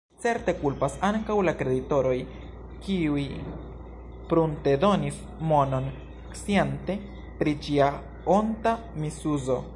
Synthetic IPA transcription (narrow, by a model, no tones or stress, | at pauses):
t͡se̞ɾte̞kulpasaŋkawlakɾe̞dito̞ɾo̞j | kiuj | pɾunte̞do̞nis | mo̞no̞n | ksiente̞ | pɾid͡ʒia | onta | misuzo̞